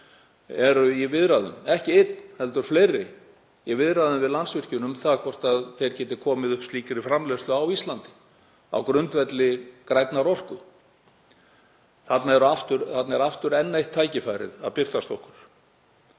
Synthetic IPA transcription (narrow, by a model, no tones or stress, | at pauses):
ɛɾʏivɪðɾaðʏ̰mɛhcɪɪt̪nhɛlt̪ʏɾ̥flejɾɪ | jɛvɪðɾaðʏmvɪðlansvɪr̥cʏnʏmθaðkʰvɔr̥t̪aðθejɾcɛːt̪ɪ̥kʰɔːmɪðʏhpst̪iːkɪɾɪfɾamlɛslʏawist̪lant̪ɪ̥ | a̰wkɾʏnt̪vɛt̪lɪkɾajt̪naɾɔr̥kʏ | θat̪naɛɾʏaft̪ʏɾθat̪naɛɾaft̪ʏɾɛnːejht̪ʰːaːjcɪfajɾɪ̰ða̰ðpɪr̥t̪ast̪ɔwhkʏɾ̥